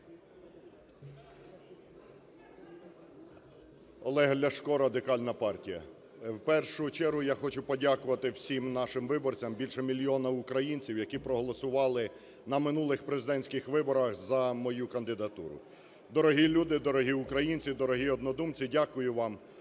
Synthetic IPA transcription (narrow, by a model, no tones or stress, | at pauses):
ɔ̰lˠɛɦɐlʲɐʃkɔɾɐd̪ɪkɑlʲnɐpɑrtʲijɐ̰ | wpɛrʃʊt͡ʃɛɾɦʊjaxɔt͡ʃʊpɔdʲakʊʋɐt̪ɪwsʲimnɑʃɪmʋɪbɔrt͡sʲɐmbʲilʲʃɛmʲilʲjɔnɐʊkɾɐjinʲt͡sʲiwjɐkipɾɔɦɔlˠɔsʊʋɑlˠɪ | nɐmɪnulˠɪxpɾezɪd̪ɛnʲsʲkɪxʋɪbɔɾɐxzɐmɔjukɐnd̪ɪd̪ɐt̪ṵɾʊ̰ | d̪ɔɾɔɦilʲud̪ɪd̪ɔɾɔɦiʊkɾɐjinʲt͡sʲid̪ɔɾɔɦiɔd̪nɔd̪umt͡sʲidʲakʊjʊʋɑm